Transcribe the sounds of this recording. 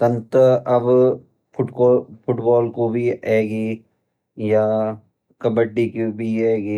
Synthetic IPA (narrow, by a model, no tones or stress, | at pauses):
t̪ɐ̃nt̪əɐb | pʰʊʈkːpʰʊʈbɔːlkobʱiɛːɡiː | jaː | kɐbəɖːikibʱiɛːɡiː